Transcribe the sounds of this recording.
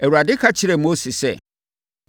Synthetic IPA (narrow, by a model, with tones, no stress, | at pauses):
ɛ˨wu˨ɾa˨dɪ˦kʰa˦t͡ɕʰɪ˦ɾɛ˨mo˦si˨sɛ̰˦ | kʰ